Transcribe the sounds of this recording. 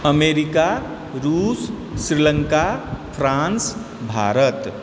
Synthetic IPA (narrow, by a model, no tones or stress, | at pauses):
əmeɾika | ɾuːsː | ɾiləŋkapʰɾãns | bʱa̰ɾət̪